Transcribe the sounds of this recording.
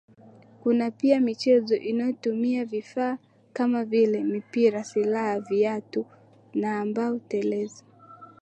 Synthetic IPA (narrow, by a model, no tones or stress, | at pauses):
kunapiamit͡ʃɛzɔʔinajɔtumiavifaː | kamavilɛmipiɾasilahaviatu | naːmbaɔtɛlɛza